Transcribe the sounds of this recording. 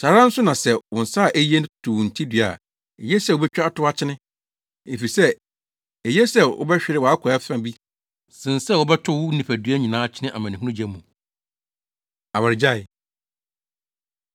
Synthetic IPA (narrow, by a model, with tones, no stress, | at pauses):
saː˨ɾã˦n̩˦sʊ˦nã˨sɛ˨wʊ̃˨n̩˨sa˦˨ʔæ˦ji˦ẽ˦tʰʊ˨n̩˨tʰi˦dɥa̰˨ | ɛ˨jɛ˦sɛ˦˨wo˨bɛ˦t͡ɕᶣa˦tʰʊ˦a˦t͡ɕʰɪ˦nɪ̃˦ | e˨fi˨sɛ˦ | ɛ˨jɛ˦sɛ˦˨ʊ̰˦bɛ˦ɕᶣɪ˦ɾɪ˦wa˦kʷʰɔ˨ɛ˦fã˦bi˦ | sɪ̃˨n˨sɛ˦wɔ˦bɛ˦tʰʊ˦wʊ˦nĩ˨fæ˨dɥæ˦ɲĩ˨nãː˦t͡ɕʰɪ˦nɪ̃˦ʔa˨mã˨n˨ĩ˨hu˦nʊ̃˦d͡ʑɛ˦mːũ˨ | a˨wa˨ɾɪ˨d͡ʑa˦˨ɪ˨